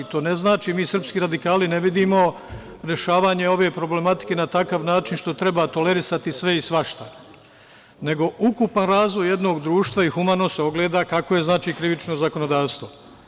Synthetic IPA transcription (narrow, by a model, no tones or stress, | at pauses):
t̪oːne̞znaːt͡ʃiːmiːsr̩pskiːɾad̪ikaːline̞ʋid̪iːmo̞ | ɾe̞ʃaːʋaːɲe̞o̞ʋe̞pɾo̞ble̞mat̪i̥ke̞nat̪akaːʋnaːt͡ʃinʃt̪o̞t̪ɾe̞bat̪o̞le̞ɾisat̪isʋe̞isʋaʃt̪a | ne̞ɡo̞ʔukupanɾaːzʋo̞jːe̞d̪no̞ːɡd̪ɾuːʃt̪ʋaixumano̞seo̞ɡleːd̪akakoje̞znaːt͡ʃiːkɾiʋit͡ʃno̞zako̞no̞d̪aːʋst̪ʋo̞